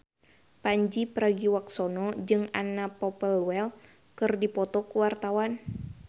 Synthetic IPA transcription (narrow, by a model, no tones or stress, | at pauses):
paɲd͡ʒipɾaɡiwaksɔnɔd͡ʒɨŋanapɔpəlwɛl | kɨrdipɔt̪ɔkuwart̪awan